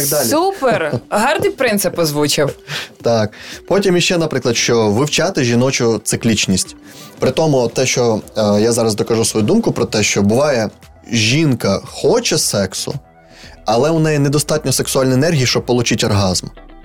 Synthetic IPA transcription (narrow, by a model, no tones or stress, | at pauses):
ksd̪ɑuperɦɑrd̪ɨjpɾɪnsɪpɔzʋut͡ʃɪwt̪ɑk̚pɔtʲimjiʃt͡ʃɛnɐpɾɪklˠɐd̪ʃt͡ʃɔʋɪwt͡ʃɑt̪ɪʒʲinɔt͡ʃʊt̪sɪklʲit͡ʃnʲisʲtʲ | pɾɪt̪ɔmʊt̪ːɛʃt͡ʃɔjazɑɾɐzd̪ɔkɐʒusʋɔjud̪umkʊpɾɔt̪ɛʃt͡ʃɔbʊʋɑjɛ | ʒʲinkɐxɔt͡ʃɛsɛksʊ̰ | ɐlˠɛʊnɛjɛnɛd̪ɔst̪ɑt̚ʲnʲɔseksʊɑlʲniɛnɛrɦʲijiʃt͡ʃɔb̚pɔlˠʊt͡ʃitʲɔrɦɑzm